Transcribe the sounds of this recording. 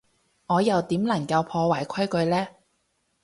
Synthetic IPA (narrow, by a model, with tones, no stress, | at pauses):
ŋɔː˨˧jɐ˨wt̪iː˨˥mlɐ˨˩ŋkɐ˧wpʰɔː˧waː˨˩jkʷʰɐ˥jkɵ˧ɥlɛː˥